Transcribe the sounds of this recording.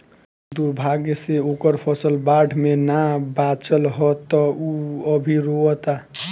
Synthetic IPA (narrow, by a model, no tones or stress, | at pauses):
d̪uɾbʱaɡseokəɾpʰəsəlbaɖ̤ʰʱmenabat͡ʃəlɦɔt̪ːɔuəbʱiɾoət̪a